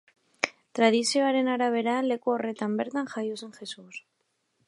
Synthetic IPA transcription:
t̪ɾað̞isio̞aɾe̞naɾaβ̞e̞ɾaːnle̞kuo̞re̞t̪ambe̞ɾt̪anxarjt̪use̞nxe̞sus

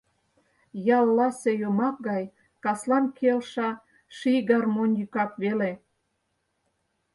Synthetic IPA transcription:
jɑlːɑsejomɑk̚ɡɑj | kɑslɑnkʰelʃɑ | ʃijɡɑrmonjykɑkβele

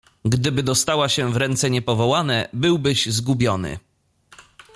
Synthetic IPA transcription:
ɡd̪ɘbɘd̪ɔst̪awaɕɛvɾɛnt̪sɛɲɛpɔvɔwanɛbɘwbɘʑzɡubʲjɔnɘ̰

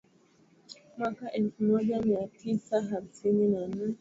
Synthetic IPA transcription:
mwakaʔɛlfumɔʄamiatʰisaɦamsininan̩

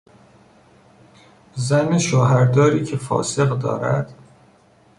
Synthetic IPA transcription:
zæneʃoːɦæɾd̪ɒːɾiːcʰefɒ̰ːse̞ɣd̪ɒ̰ːɾæ̰d̪̥

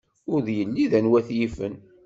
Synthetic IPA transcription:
ʊɾðjəlːiðænwæθjifən

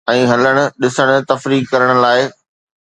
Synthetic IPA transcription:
ɛ̃ːɦɐləɽ̃ʊ̆ɗɪsəɽ̃ʊ̆t̪ɐfɾiːkkɐɾəɽ̃ʊ̆laːɪ

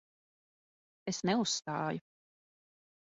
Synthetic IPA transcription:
esnɛusːt̪a̰ːjʊ

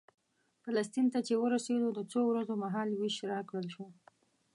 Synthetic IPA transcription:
falast̪int̪at͡ʃewəɾased̪od̪ət͡sowɾazomaɦɑlwiʃɾɑkɽəlʃo

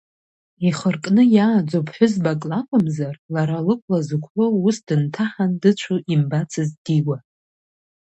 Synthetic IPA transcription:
iχərkʼnɨjaːd͡ʒʷopʰʼħʷʊzbakʼlakʷʼamzarlaɾalɨkʷʼʰlazɨkʷʰħolusdɨntʰaħandɨt͡ʃʷʰuʔimbat͡sʰɨzdiwa

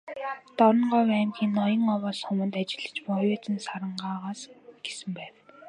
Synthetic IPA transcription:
t̪ɔɾɞ̆ɴɢɔːwæːmxiːnːɔjɞ̆ŋɔwɔːsxɵmɵ̆nt̪at͡ɕɪ̆ɮɘ̆t͡ɕpɔjʊːt͡sə̆nsaɾə̆ɴɢaːʁaːsɡ̥esɘ̆mpæːw

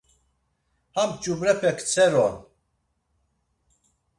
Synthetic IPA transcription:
hamt͡ʃʼubɾɛpʰɛkʰt͡sʰɛɾɔn

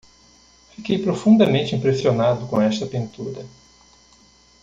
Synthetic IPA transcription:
fikejpɾofũnd̪ɐmẽnt͡ʃɪĩpɾesionad̪ʊkõɛst̪ɐpĩnt̪uɾɐ

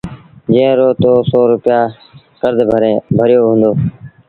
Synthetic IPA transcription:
d͡ʒẽɾoːt̪oːsɔːɾʊpjaː | kəɾd̪ʱbʱəɾẽːbʱəɾɪjoːɦʊ̃ːnd̪oː

